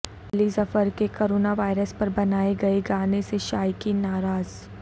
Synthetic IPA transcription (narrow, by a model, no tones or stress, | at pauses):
ɐlisɐfəɾkekoːɾoːnaʋaːɪɾəspɐɾbɐnaːeɡɐeɡaːneseʃaːjkinaːɾaːz